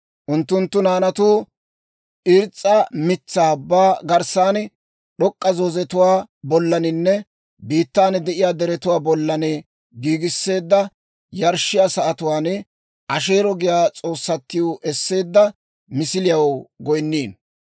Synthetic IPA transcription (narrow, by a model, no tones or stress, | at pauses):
ʔʊnt̪ːʊnt̪ːʊnaːnɐt̪uː | ʔɪɾt͡sʼːɐmɪt͡sːaːbaːɡɐɾsaːnɛ | ɗɔkʼːɐzozɛt̪ʊwaːbɔlːɐnɪnːɛ | biːt̪ːaːnɛd̪ɛʔɪjaːd̪ɛɾɛt̪ʊwaːbɔlːɐnɛ | ɡiːɡɪsːe̞ːd̪ːɐ | jɐɾʃɪjasɐʔɐt̪ʊwaːn | ʔɐʃe̞ːɾɔɡɪjaːt͡sʼo̞ːsːɐt̪ːɪjʊʔɛsːe̞ːd̪ːɐ | mɪsɪlɪjɐwɡɔjnːiːn